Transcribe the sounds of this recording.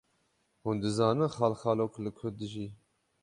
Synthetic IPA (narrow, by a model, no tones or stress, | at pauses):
hund̪ɨzɑːnɨnχɑːlxɑːloklɨkʰʊld̪ɨʒiː